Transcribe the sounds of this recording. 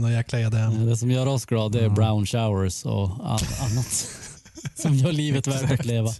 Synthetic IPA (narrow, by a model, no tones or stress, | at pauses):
nɔjæklajad̪ɛd̪ɛsɔmjœːɾɔsɡɾɑːd̪ɛæɾbɾaʊnʃaʊəɾsɔ̰a̰la̰nːat̪ | sɔmjœːɭiːvət̪væʈat̪leːva